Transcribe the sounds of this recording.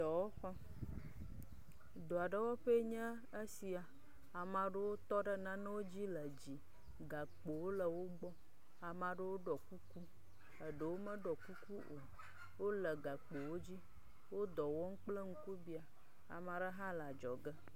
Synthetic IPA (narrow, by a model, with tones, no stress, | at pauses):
ɔ˨wo˦xɔ˦ | d̪o˨a˨ɖə˦wɔ˦ɸe˦ɲɛ̃˦ | e˦si˨a˨ | a˨mã˨ɖə˦wo˦t̪ɔ˦ɖə˦nã˦nə˦wo˦d͡ʑi˦lə˨d͡ʑi˨ | ɡa˨k͡po˨wo˦lə˨wo˦ɡ͡bɔ˦ | a˨mã˨ɖə˦wo˦ɖɔ˨ku˦ku˦ | ə˨ɖə˨wo˦mə̃˦ɖɔ˨ku˦ku˦ʔo˨ | wo˦lə˨ɡa˨k͡po˨wo˦d͡ʑi˦ | wo˦d̪ɔ˨wɔ˦ŋ̩˦k͡ple˦ŋ̩˦ku˦bi˦a˨ | a̰˨mã˨ɖə˦ɦã˦la˨d͡ʒɔ˨ɡə˦